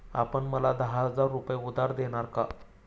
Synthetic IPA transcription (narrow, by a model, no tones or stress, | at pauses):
a̰pəɳməlad̪əɦaɦəd͡zaɾːupjeud̪aɾd̪eɽ̃aɾka